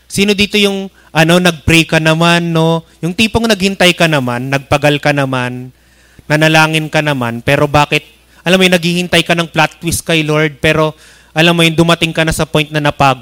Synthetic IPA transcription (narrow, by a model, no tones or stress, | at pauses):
siːno̞d̪iːt̪o̞jʊŋ | ʔɐno̞nɐɡ̚pɾikɐnɐmanːo̞jʊŋt̪iːpoŋnɐɡ̚hɪnt̪ajkɐnɐmanːɐɡ̚pɐɡalkɐnɐmanː | ɐnɐlaːŋɪnkɐnɐma̰npɛːɾo̞baːkɪt̪̚ | ʔɐlamːojnɐɡ̚hihɪnt̪ɐjkɐnɐŋplat̪̚wɪskɐjloɹd̪̚pɛːɾo̞ | ʔɐlamːojʊnd̪ʊmɐt̪ɪŋkɐnɐsɐpo̞jnt̪̚nɐnɐpaːɡo